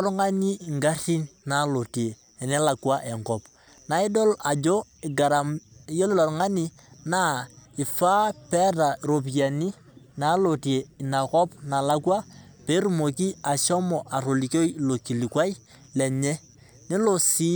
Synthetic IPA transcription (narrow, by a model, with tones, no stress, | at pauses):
ɾŋa˦ni˦˨ŋɡa˦ri˦nna˨˦lo˨ti˨eː˨nɛ˦la˨kwa˦ʔɛ˨ŋkɔ˨p | na˨˦ɪ˦dɔ˦la˨d͡ʒo˦ɪ˨ɡa˨ɾa˨m˨jo˦lɪ˦lɔ˨ɾŋa˦ni˦ | na˦ɪ˨fa˦pɛ˦ta˨ɾo˨p̬a˨ni˦ | na˨˦lo˨ti˨e˨i˨na˨kɔ˦pna˨la˦kwa˦ | pe˦ɾu˦˨mo˨ki˦a˨ʃɔ˦mɔ˨ʔa˨ɾo˨li˨ko˦i˦lo˨ki˨li˨kwa˦i˦ | lɛ˨ɲɛ˦ | nɪ˦lo˦˨si˦